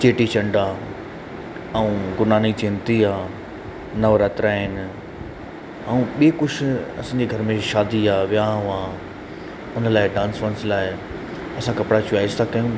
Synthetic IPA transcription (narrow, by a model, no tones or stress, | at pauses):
t͡ɕeːʈit͡ɕɐ̃ɳɖaː | ɐũɡʊnaːnit͡ɕɪ̃nt̪iaː | nɐʋəɾət̪ɾaːɦɪnɪ̆ | aũɓiːkʊʃʰʊɐ̰sãːɲd͡ʑeːɡʱɐɾmẽʃaːd̪iaːʋijaɦaː | ʊnəlaːɪɖãːnsfə̃nslaːɪ | ɐsãkɐpɽat͡ɕuaːɪst̪ʰakɐjũ